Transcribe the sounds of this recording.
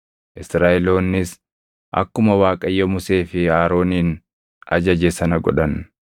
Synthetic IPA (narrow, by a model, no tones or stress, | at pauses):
ʔɪsɾaːʔɛlo̞ːnːɪs | ʔɐ̰kːʊmɐwaːkʼɐjːɐmʊse̞ːfɪaːɾo̞ːniːn | ɐ̰d͡ʒɐd͡ʒesɐnɐɡɔ̰ᶑɐn